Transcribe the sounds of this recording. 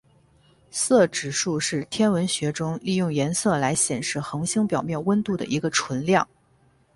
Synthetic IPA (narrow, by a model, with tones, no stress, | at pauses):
sɤ˥˩ʈ͡ʂɻ̩˨˩ʂu˥˧ʂɻ̩˥˩t̪ʰjɛ˥nwə˧˥nɕɥɛ˧˥ʈ͡ʂʊ˥ŋli˥˧jʊ˥˩ŋjɛ˧˥nsɤ˥˩la˧˥ɪɕjɛ˨˩nʂɻ̩˥˩xɤ˧˥ŋɕi˥ŋpjɑ˨˩ʊmjɛ˥˩nwə˥nt̪u˥˩d̪ə̰˩ʔi˧˥ɡə˧ʈ͡ʂʰwə˧˥nljɑ˥˩ŋ